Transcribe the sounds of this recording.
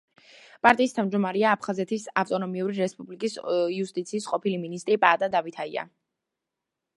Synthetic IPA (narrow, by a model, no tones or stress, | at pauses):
pʼaɾt̪ʼiːst̪ʰavmd͡ʒd̪ɔmaɾɛaːpʰχazɛt̪ʰisaft̪ʼɔnɔmiuɾiɾɛspʼublikʼisiust̪ʼit̪sʰiːsqʼɔpʰiliminist̪ʼɾipʼaːd̪ad̪avit̪ʰaḭa̰